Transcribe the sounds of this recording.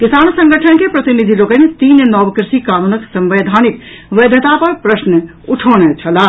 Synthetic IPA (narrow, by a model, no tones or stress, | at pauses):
kisaːnsə̃ŋɡəʈʰənkepɾɐt̪inid̪ʱiloːkənet̪iːnnɔːʋkɾɪʃikaːnunəksə̃mʋeːd̪ʱaːnik̚ | ʋed̪ʱət̪apɐɾpɾəsnə | uʈʰoːñet͡ʃʰɐla